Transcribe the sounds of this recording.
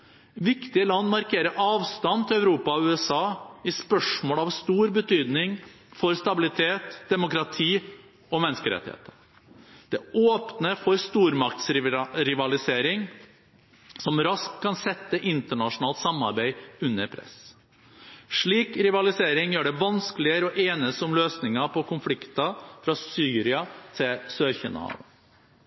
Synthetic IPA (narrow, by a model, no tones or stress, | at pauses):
ʋɪkt̪ɪəlɑnːmɑɾkʰeːɾəɾʔɑːʋst̪ɑnt̪ʰɪlœʉɾuːpɑɔʉːɛsɑːɪspœʂmoːlɑʋst̪uːɾbət̪ʰyːd̪nɪŋ | fɔɾst̪ɑbɪlɪt̪ʰeːt̪d̪̥ɛmʊkɾɑt̪ʰiː | ɔmɛnəskəɾɛ̰t̪ɪhḛːt̪ʰə | d̪̥ɛoːpnəfɔɾst̪uːɾmɑk̚t̪sɾɪʋɑlɪseːɾɪŋ | sɔmɾɑskʰːɑnsɛt̪ːəʔɪnt̪əɳɑʂʊnɑːlt̪sɑmːɑɾbæɪʉnːəɾpʰɾɛ̰s | ʂɭiːkɾɪʋɑlɪseːɾɪŋjøːɖɛʋɑnsklɪəɾɔʔeːnəst̪əʊmløːsnɪŋɑpʰɔkʰʊnflɪkt̪ɑfɾɑsyːɾɪɑt̪ʰɪlsøːɾçənɑ̰ɑ̰ːʋən